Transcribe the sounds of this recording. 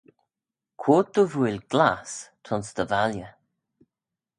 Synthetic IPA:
kʰoːt̪əvuɪlɡlast̪ʰɔnsd̪̥əvaljə

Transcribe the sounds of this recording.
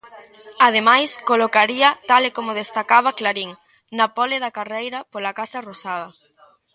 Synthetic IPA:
að̞emajskolokaɾiɐt̪alekomʊð̞est̪akaβ̞ɐklaɾiŋ | nɐpɔleðɐkarejɾɐpolakasɐrosaðɐ

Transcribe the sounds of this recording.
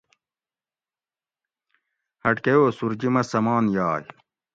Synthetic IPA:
hɐʈkɐjoːsuɾd͡ʑimɐsɐmaːnjaːj

